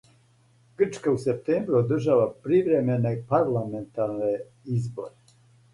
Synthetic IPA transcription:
ɡ̥ərt͡ʃkausep̚t̪eːmbɾuod̪ərʒaʋapɾiʋɾemenepaɾlament̪aɾne | izbo̰ɾe

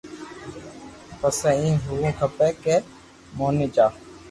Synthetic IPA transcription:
pəsɛ̃ːĩːɦuʋũːkʰəpeːkeː | moːniːt͡ʃaː

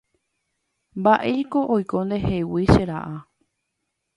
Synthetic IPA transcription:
mbaʔe̞jkoʔojkõ̞nd̪e̞hewiʃeɾa̰ʔa

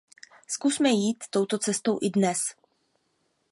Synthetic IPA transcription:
skusmɛjiːt̪ːo̞wt̪o̞t͡sɛst̪o̞wʔɪdnɛs

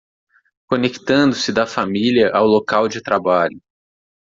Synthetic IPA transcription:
konekt̪ɐ̃nd̪ʊsɪd̪ɐfamiliɐʔawlokawd͡ʒɪt̪ɾabaʎʊ

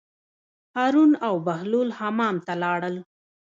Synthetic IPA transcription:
hɑɾunawbahlolhɑmɑmt̪alɑɽəl

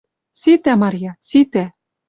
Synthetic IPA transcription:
sit̪æmɑɾʲjɑsit̪æ

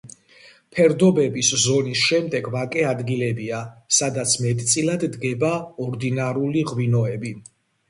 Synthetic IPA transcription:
pʰɛɾd̪ɔbɛbiszɔnisʃɛmd̪ɛɡvakʼɛad̪ɡilɛbiasad̪at̪sʰmɛt̪ʼt̪sʼilad̪ːɡɛbaɔɾd̪inaɾuliʁwinɔɛbi

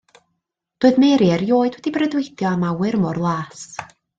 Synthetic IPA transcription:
d̥oːɨðmeːɾiɛrjoːɨd̥wɛd̥ibrədwɨdjɔamawɨrmɔrlˠaːs

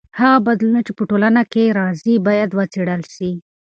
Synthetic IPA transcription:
haɣabad̪lunat͡ʃepəʈolanakeɾɑzibɑjad̪wət͡seɽəlʃi

